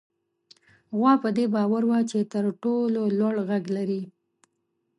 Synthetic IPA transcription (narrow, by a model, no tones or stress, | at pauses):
ɣwɑpəd̪ebɑwaɾwat͡ʃet̪əɾʈololwaɽɣaɡlaɾi